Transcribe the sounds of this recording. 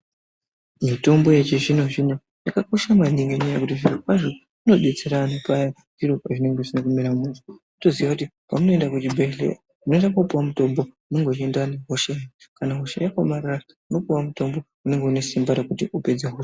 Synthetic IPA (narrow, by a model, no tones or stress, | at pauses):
mito̞mbo̞jet͡ʃeʐinoʐino | jakakoʃamaniŋɡeɲajekutiʐirakwaʐo | uno̞ɗet͡seɾanopaja | ʐ̥iɾopaʐine̞ŋɡeʐinakumeɾamumuto | utoziʋwakuti | pamuno̞endakut͡ʃibʱeɬḛa | uno̞endakopuwamuto̞mbo̞umeŋɡot͡ʃendaneɦoʃejakanaɦo̞ʃejako̞marara | uno̞puwamuto̞mbo̞ | une̞ŋɡe̞une̞simbaɾakutiʔupe̞d͡zeɦo